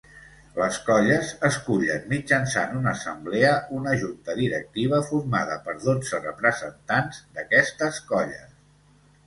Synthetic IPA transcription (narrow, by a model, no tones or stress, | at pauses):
ləskɔʎəzəskuʎənmid͡ʒənsa̰nunəːsəmbleəunəʒunt̪əðiɾək̚t̪iβ̞əfurma̰ðəpəɾðod͡zərəpɾəzənt̪anzd̪əkɛst̪əskɔʎə̰